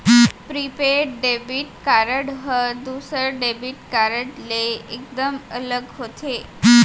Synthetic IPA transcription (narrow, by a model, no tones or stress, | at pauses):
pɾipeʈɖebiʈkaɾəɽɦəd̪usəɖebiʈkaɾəɖleek̚d̪əmələɡɦot̪ʰe